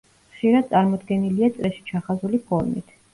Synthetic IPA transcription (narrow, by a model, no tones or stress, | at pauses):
χʃiɾad̪̚t̪sʼaɾmɔd̪ɡɛniliat̪sʼɾɛʃi̥t͡ʃʰaχazulipʰɔɾmḭt̪ʰ